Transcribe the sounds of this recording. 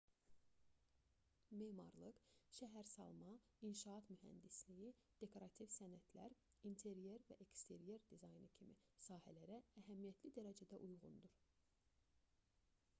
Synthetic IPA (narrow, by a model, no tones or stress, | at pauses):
meːmɑ̰ɾlˠɯqʃæɦæɾsɑ̰lˠmɑ | inʃɑɑt̪myɦæ̰nd̪isliji | d̪̥e̞kʰo̞ɾɑt̪ʰivsænæt̪ʰlæ̰ɾ | int̪ʰe̞ɾje̞ɾvæ̰ʔekst̪ʰe̞ɾje̞ɾd̪izɑjnɯcʰimḭ | sɑːhælæɾæːɦæmijæt̪ʰlid̪æɾæd͡ʒæd̪æʔujʁṵnd̪uɾ